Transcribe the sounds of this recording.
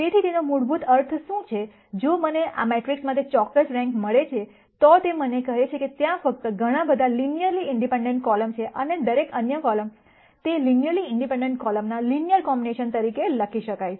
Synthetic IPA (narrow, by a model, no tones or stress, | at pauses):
t̪et̪ʰit̪enomuɽbut̪əɾt̪ʰʃũt͡ʃʰe | d͡ʒoməneʔa̰meʈɾiksmat̪ʰet͡ʃɔkːəsɾɛ̃ŋkməɭet͡ʃʰe | t̪ɔt̪emənekəɦet͡ʃʰeket̪jãfək̚t̪əɡʱəɽ̃ãbəd̪ʱalinijəɾliɪɳɖipẽɳɖẽɳʈ̚kɔləmt͡ʃʰeʔəned̪əɾekənjəkɔləm | t̪elinijəɾliɪɳɖipẽɳɖeɳʈ̚kɔləmnalinijəɾkɔmbineʃənt̪əɾikeləkʰiʃəkaj